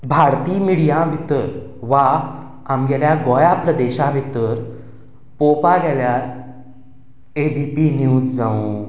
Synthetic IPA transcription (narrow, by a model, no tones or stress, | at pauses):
bʱaɾt̪iːmiɽijãbʱit̪əɾʋa | amɡɛljaɡɔjapɾəd̪eɕãbʱit̪ːəɾ | popaɡɛljaɾ | ebʱipinjuːd͡zd͡zãũ